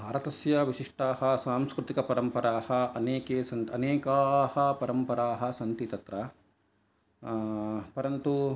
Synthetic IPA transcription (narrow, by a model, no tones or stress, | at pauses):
bʱaːɾɐt̪ɐsjɐʋiʃiʂʈaːɦɐsaːmskɾut̪ikɐpɐɾɐmpɐɾaːhɐɐneːkeːsɐnt̪ɐneːkaːhɐpɐɾɐmpɐɾaːɦɐ̆sɐnt̪it̪ɐt̪ɾɐ | pɐɾɐnt̪u